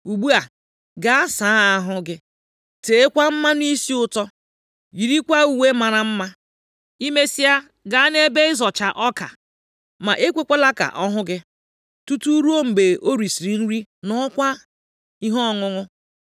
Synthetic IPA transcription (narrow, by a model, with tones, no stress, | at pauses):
u˨ɡ͡bu˦a˨ | ɡa˨a˦saː˨˦a˦ɦʊ˦ɡɪ˦ | te˨e˦kʷa˦m̩˦ma˦n˦i˦si˦ʊ˨tɔ˦ | ji˨ɾi˦kʷa˦u˨we˦ma˨ɾa˨m̩˦ma˦ | i˦me˦si˦a˦ | ɡa˨a˦ne˦be˦ɪ˦zɔ˨t͡ʃa˨ʔɔ˦ka̰˨ | ma˨ʔe˦kʷe˦kʷe˦la˦ka̰˨ʔɔ˦ɦʊ˦ɡɪ˦ | tu˦tu˦ɾu˦o˦m̩˨ɡ͡be˨ʔo˦ɾi˨si˨ɾi˨n̩˦ɾi˦nɔ˦kʷa˦ | i˦ɦɔ˦ɔ˦˨ŋʊ˦ŋʊ˦